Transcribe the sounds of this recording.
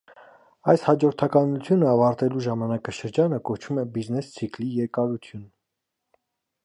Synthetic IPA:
ɑjshɑd͡ʒɔɾt̪ʰɑkɑnut͡sʰjunəɑvɑɾt̪ɛluʒɑmɑnɑkɑʃəɾd͡ʒɑnəkɔt͡ʃʰumɛbiznɛst͡sʰiklijɛɾkɑɾut͡sʰjun

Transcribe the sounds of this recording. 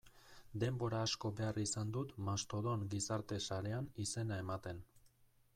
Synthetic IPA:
d̪e̞mbo̞ɾaːsko̞be̞arisand̪ut̪mast̪o̞ðo̞ŋɡisaɾt̪e̞saɾe̞anise̞nae̞mat̪e̞n

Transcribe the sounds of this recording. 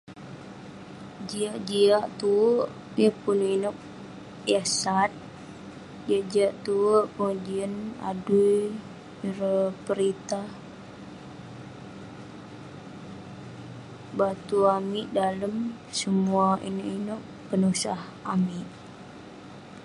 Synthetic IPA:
d͡ʒiaʔd͡ʒiaʔt̪uəʔ | jəpuninʊk̚ | jasat̪̚ | d͡ʒiaʔd͡ʒiaʔt̪uwəʔpəŋad͡ʒiəna̰duj | ɾəpəɾit̪ah | bat̪uamiʔdaləm | səmuaḭnəʔinʊk̚ | pənusah | amiʔ

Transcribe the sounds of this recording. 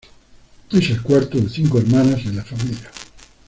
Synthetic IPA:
t̪iselkwaɾt̪oðeθiŋkoeɾmanasðelafamilja

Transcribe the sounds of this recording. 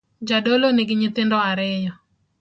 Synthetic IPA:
d͡ʒadoloneɡɪɲɪt̪ɪndɔaɾɪjɔ

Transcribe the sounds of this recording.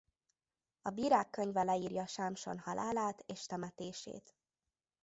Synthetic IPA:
ɒbiːɾaːkːøɲvɛlɛiːrjɒʃaːmʃo̞̰nhɒlʔaːlaːt̪eːʃt̪ɛmɛt̪eːʃḛːt̪

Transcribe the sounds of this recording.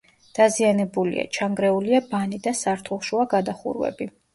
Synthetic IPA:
d̪̥azianɛbulḭa̰t͡ʃʰaŋɡɾɛuliabanid̪asaɾt̪ʰulˠʃuaɡad̪aχṵɾwɛ̰bi

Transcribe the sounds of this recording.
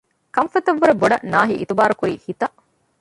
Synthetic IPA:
kɐmfɐt̪ɐʋːuɾeboɖɐ̰naːɦiʔit̪ubaːɾukuɾiːhit̪ɐʔ

